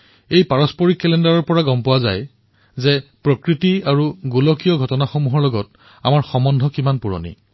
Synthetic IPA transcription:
ejpaɹɔspɔɹikːɛlɛndaɹɔɹpɔɹaɡɔmpɔwaza̰j | zɛpɹɔkɹitiaɹuɡulɔkijɔɡʱɔtɔnaxɔmuɦɔɹlɔɡɔt | a̰maɹxɔmɔndʱɔkimanpuɹɔ̰nḭ

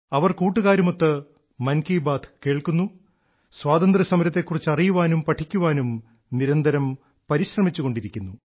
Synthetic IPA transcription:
ɐʋɐrkuːʈːuɣaːɾumot̪ːɨ | mɐnkiːbaːt̪ʰke̞ːɭkunːu | sʋaːd̪ɐnd̪rɐsɐmɐɾɐt̪̬ːe̞kːurit͡ɕːɐrijuʋaːnumpɐʈʰːikʲːuʋaːnum | niɾɐnd̪ʱɐɾɐm | pɐɾiɕrɐmit͡ɕːuɣo̞ɳɖiɾikʲːunːu

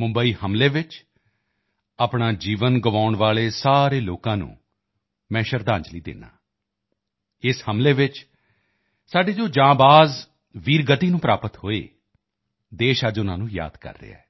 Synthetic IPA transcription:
mʊ̃mbəiːhəmleːʋɪt͡ʃ | aːpɳaːd͡ʒiːʋənɡəʋaːʊɳʋaːleːsaːɾeːloːkãːnṵ̃ː | mɛ̃ːʃəɾd̪ãːɲd͡ʒliːd̪ɪ̰na̰ː | ɪshəmleːʋɪt͡ʃ | saːɖeːd͡ʒoːd͡ʒãːbaːz | ʋiːɾɡət̪iːnũːpɾaːpət̪hoːḛː | d̪eːʃəd͡ʒʊnã̰ːnũːja̰ːd̪kə̰ɾːḛa̰ɛː

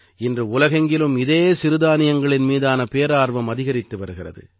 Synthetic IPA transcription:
ɪndrɯʊlɐɣɐŋɡɪlɯmɪðeːsɪɾɯðaːnɪjɐŋɡɐɭɪnmiːðaːnɐpeːɾaːɾʋɐmɐðɪɣɐɾɪt̪ːɯʋɐɾɯɣɪrɐ̰ðɯ̰

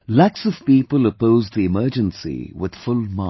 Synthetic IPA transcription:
læksʌv̥piːpələpoʊzðiɨmɜːd͡ʒə̃nsḭwɪð̥fʊlmɑ

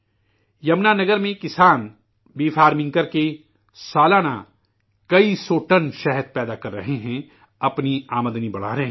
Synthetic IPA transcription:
jɐmnanɐɡəɾmẽkɪsaːn | biːfaːɾmɪ̃ŋkəɾke | saːlaːna̰ | kɐisoːʈɐnʃɛɦəd̪̚pɛːd̪akɐɾːɐɦeɦɛ̃ | ɐpniaːməd̪nibɐɽ̤aːɾɐɦ

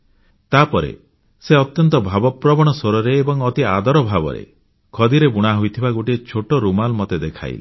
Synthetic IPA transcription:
t̪apɔɾḛ | seɔt̪jɔnt̪ɔbʱabɔpɾɔbɔɽ̃ɔsoɾɔɾeːbɔŋɔt̪iad̪ɔɾɔbʱabɔ̰ɾḛ | kʰɔd̪iɾebuɽ̃aɦujt̪ʰibaɡoʈiet͡ʃʰoʈoɾumalmɔt̪ed̪ekʰa̰j̰li

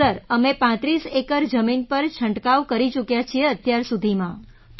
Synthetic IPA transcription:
əɾəmepãt̪ɾisekəɾd͡ʒəminpəɾt͡ʃʰəɳʈkaʋkəɾit͡ʃukjat͡ʃʰieət̪jaɾsud̪ʱimã | t̪

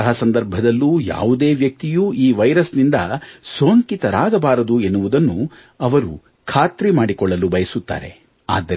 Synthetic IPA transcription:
ɐɦɐsɐnd̪ɐɾbʱɐd̪ɐlːuja̰ːʋud̪e̞ːʋjɐk̚t̪ijuʔiːʋɐjɾɐsnind̪ɐsoːŋkit̪ɐɾaːɡɐbaːɾɐd̪ue̞nːuʋud̪ɐnːu | ɐʋɐɾṵ | kʰaːt̪ɾimaːɽikɔɭːɐlubɐjɐsut̪ːa̰ːɾe | a̰ːd̪ːɐ

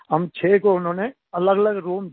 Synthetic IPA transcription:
ɦɐmt͡ʃʰeːkoʊnɦõːne | ɐləɡɐləɡɾuːm

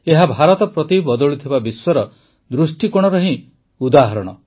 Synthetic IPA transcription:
eɦabʱaɾɔt̪ɔpɾɔt̪ibɔd̪ɔɭut̪ʰibabiswɔɾɔ | d̪ɾusʈikɔɽ̃ɔɾɔɦĩ | ud̪aɦɔɾɔɽ̃ɔ̰

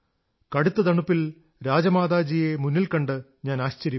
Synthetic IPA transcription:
kɐɽut̪ːɐd̪ɐɳupːil | ɾaːd͡ʑɐmaːd̪aːd͡ʑijemunːilkɐɳɖɨɲaːnaːɕt͡ɕɐɾji

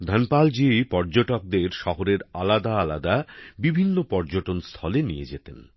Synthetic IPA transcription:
d̪ʱənpald͡ʑipɔɾd͡ʑoʈok̚d̪eɾʃɔɦoɾeɾa̰lad̪aalad̪abibʱinːopɔɾd͡ʑoʈonst̪ʰɔlenijed͡ʑet̪en

